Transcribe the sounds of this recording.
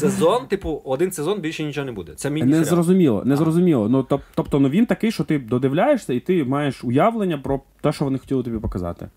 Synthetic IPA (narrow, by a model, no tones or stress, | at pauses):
sezɔnt̪ɪpʊɔd̪ɪnsezɔnbʲilʲʃɛnʲit͡ʃɔɦɔnɛbud̪ɛt̪sɛmʲinɛzrɔzʊmʲilˠɔ̰nɛzrɔzʊmʲilˠɔnut̪ɔt̪ɔpt̪ɔnuʋʲint̪ɐkɪjʃt͡ʃɔt̪ɪd̪ɔd̪ɪʋlʲajeʃsʲɐit̪ɪmɑjeʃʊjaʋlˠenʲːɐpɾɔt̪ɛʃt͡ʃɔʋɔnɪxɔ̥tʲilˠɪt̪ɔbʲipɔkɐzɑ̰t̪ɪ̰